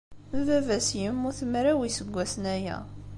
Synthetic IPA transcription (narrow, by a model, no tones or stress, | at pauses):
vævæsjəmːʊθəmɾæwisəɡʷːæsnæjæ̰